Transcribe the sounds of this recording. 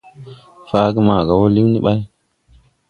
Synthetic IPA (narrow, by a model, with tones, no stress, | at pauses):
fa˦ɡi˦ma˨ɡa˨wo˦li˦wni˦ɓa˦j